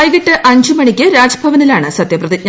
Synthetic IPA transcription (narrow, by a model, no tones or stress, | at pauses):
jiɣɐʈːɨʔɐɲd͡ʑɨmɐɳikʲːɨɾaːd͡ʑɐbʱɐʋɐnilaːɳɨsɐt̪jɐprɐðiɲ